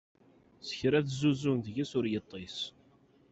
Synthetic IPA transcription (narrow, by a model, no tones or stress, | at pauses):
sə̥çɾæθzuzunðʝisʊɾjət̪ˤːis